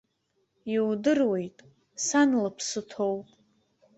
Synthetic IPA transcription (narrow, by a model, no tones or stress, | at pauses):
iwdɨrwe̞jtʼ | sanlɨpʰsɨtʰo̞wpʼ